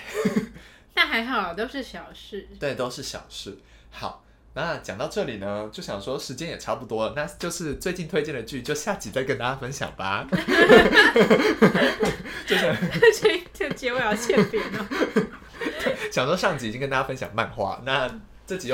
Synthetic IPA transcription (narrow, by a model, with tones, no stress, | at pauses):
na˥˩xa˧˥ɪxɑ˨˩ʊlə˨˩t̪o˥ʊʂɻ̩˥˩ɕjɑ˨˩ʊʂɻ̩˥˩t̪we˥˩ɪt̪o˥ʊʂɻ̩˥˩ɕjɑ̰˨˩ʊʂɻ̩˥˩ | xɑ˨˩˦ʊ | na˥˩t͡ɕjɑ˨˩ŋt̪ɑ˥˧ʊʈ͡ʂɤ˥˩li˨˩nə˦t͡ɕjo˥˩ʊɕjɑ˨˩ŋʂwɔ˥ʂɻ̩˧˥t͡ɕjɛ˥njɛ˨˩ʈ͡ʂʰa˥pu˥˩t̪wɔ˥lə˨na˥˧t͡ɕjo˥˧ʊʂɻ̩˥˧t͡swe˥˧ɪt͡ɕi˥˩nt̪ʰwe˥ɪt͡ɕjɛ˥˩nd̪ə˩t͡ɕy˥˩t͡ɕjo˥˧ʊɕja˥˩t͡ɕi˨˩t͡sa˥˩ɪkə˥nt̪a˥˩t͡ɕja˥fə˥nɕjɑ̰˨˩ŋba˦˥ | t͡ɕjo˥˧ʊɕjɑ˥˧ŋt͡ɕo˥˩t͡ɕo˥˩t͡ɕjɛ˧˥we˥˩ɑ˥˩ɕjɛ˥˩pi˨˩nɐ˧˩˥ | ɕjɑ˨˩ŋʂwʂɑ˥˩ŋt͡ɕi˨˥˨i˥ŋknt̪a˥˩a˧˥ə˥nɕjɑ̰˨˩ŋma̰˥˧nxwa̰˥˩na˥˧ | ʈ͡ʂɤ˥˩t͡ɕi˨˩j